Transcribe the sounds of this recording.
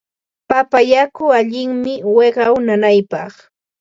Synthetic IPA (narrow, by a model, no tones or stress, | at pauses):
papajakʊaʎɪŋmɪweɢɑwnanajpɑχ